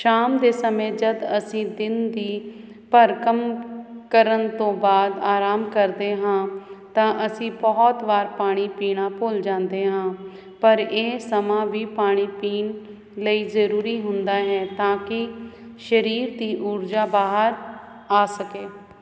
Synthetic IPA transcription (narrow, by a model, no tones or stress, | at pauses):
ʃaːmd̪eːsəmẽːd͡ʒəd̪əsĩːd̪ɪnd̪iː | pəɾkəmkəɾənt̪õːbaːd̪aːɾaːmkəɾd̪eːɦãːt̪ãːʔəsĩːbɔːt̪ʋaːɾpaːɽ̃iːpiːɽãːpoːld͡ʒãːnd̪eːɦãː | pəɾeːsəmãːʋiːpaːɽ̃iːpiːn | ləiːzəɾuːɾiːɦʊnd̪aːɦɛːt̪ãːkɪ | ʃəɾiːɾd̪iːʔuɾd͡ʒaːbaːɦəɾ | aːsəkeː